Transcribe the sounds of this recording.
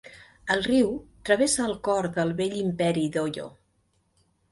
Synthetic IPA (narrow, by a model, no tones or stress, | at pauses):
əlˠriwt̪ɾəβ̞esəːlˠkɔɾðəlˠβeʎimpɛɾiðoʎo̰